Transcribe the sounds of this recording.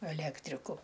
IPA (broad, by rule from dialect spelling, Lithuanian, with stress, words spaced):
ɛˈlʲæːktʲrʲɪkʊ